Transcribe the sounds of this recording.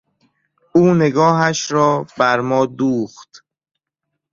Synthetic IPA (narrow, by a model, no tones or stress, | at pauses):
uːne̞ɡɒːɦæʃɾɔːbæɾmɒːd̪uːχt̪